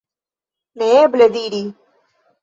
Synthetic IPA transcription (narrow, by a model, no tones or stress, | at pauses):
neːbled̪iːɾiː